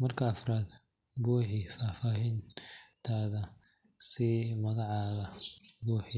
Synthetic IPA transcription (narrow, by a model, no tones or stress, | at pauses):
mɐrkʰɐːfraːd̪ | bɔːħɪfaːfaːɦiːnt̪ʰaːðɐ | simɐɣɑʕɑːðɐbɔːħɪ